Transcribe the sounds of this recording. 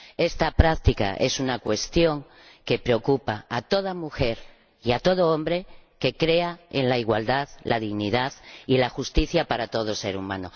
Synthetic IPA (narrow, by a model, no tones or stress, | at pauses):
est̪apɾak̚t̪ika̰ʔe̞sunakwe̞st̪jo̞ŋ | ke̞pɾe̞o̞kupaat̪o̞ð̞amuxe̞ɾ | iat̪o̞ð̞o̞o̞mbɾe̞ke̞kɾe̞aḛnlaiɣwald̪aðlʔaðiɣniðaðilaxust̪iθjapaɾat̪o̞ð̞o̞se̞ɾumã̰no̰